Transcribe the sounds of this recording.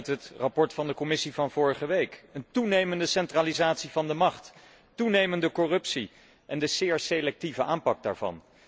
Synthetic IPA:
tɦətrɑpɔɹtfɑndəkɔmɪsivɑnv̥ʊːɹəχəʋejkəntunejməndəsɛntralizaːtsivɑndəmɑχt | tunejməndəkɔrɵpsi | ʔɛndəz̥ɪːɹselɛk̚tivəʔaːmpɑɡ̚da̰ːɹvɑ̰n

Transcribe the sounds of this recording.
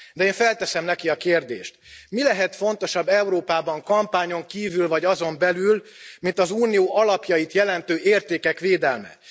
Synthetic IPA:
d̪ɛeːɱfɛlt̪ɛsɛmnɛkiɒkeːrd̪ḛːʃt̪milɛɦɛt̪fo̞nt̪o̞ʃɒbːɛuɾoːpaːbɒŋkɒmpaːɲo̞ŋkiːvylvɒɟɒzo̞mbɛlylmint̪ɒzuːnioːʔɒlɒpjɒjit̪jɛlɛnt̪øːʔeːrt̪eːkɛkʋeːd̪ɛlmɛ̰

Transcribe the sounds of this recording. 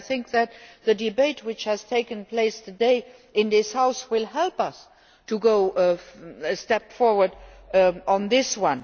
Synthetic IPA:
θɪ̃ŋk̚ðæt̚ðədibeɪt̚wɪt͡ʃhæz̥tʰeɪkə̃npʰleɪstʰɨdeɪ | ɪ̃nðɪshaʊswɪlˠɦɛlpʌs | tʰuɡoʊ | stɛpfɔɹwə˞d | ə̃nðɪswʌ̃n

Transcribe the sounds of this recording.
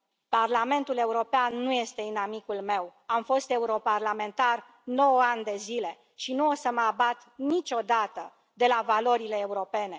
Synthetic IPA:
parlame̞nt̪ule̞uɾo̞peanːuje̞st̪e̞ɨnamikulme̞wamfo̞st̪e̞uɾo̞parlame̞nt̪ar | no̞wanʲd̪e̞zile̞ | ʃinuosəməabat̪nit͡ʃʲo̞d̪at̪ə | d̪e̞lavalo̞ɾile̞ːuɾo̞pe̞ne̞

